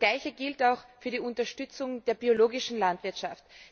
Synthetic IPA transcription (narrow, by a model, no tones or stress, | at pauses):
ɡlaɪçəɡɪltaʊxfyːɐdiːʊntɐʃtʏt͡sʊŋd̥eːɐbioloːɡɪʃn̩lantv̥ɪɐtʃaft